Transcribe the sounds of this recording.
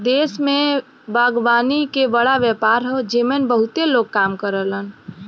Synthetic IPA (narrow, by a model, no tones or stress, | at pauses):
d̪eːsmẽ | baːɡʋaːnikebəɽaʋjɛpaːɾɦod͡ʒemenbəɦʊt̪eloːɡ̚kaːmkəɾələn